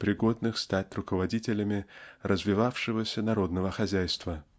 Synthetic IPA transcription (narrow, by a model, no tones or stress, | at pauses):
pɾʲɪɡo̞d̪nɨxst̪atʲrʊkəvɐdʲitʲɪlʲəmʲɪrʔəzvʲɪvafʂɨvəsʲənɐɾo̞d̪nəvəxɐzʲæjst̪və